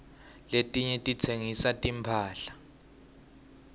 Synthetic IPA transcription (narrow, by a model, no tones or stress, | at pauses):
letʼiɲɛtʼit͡sʰeŋisatʼimpʰaːɬḁ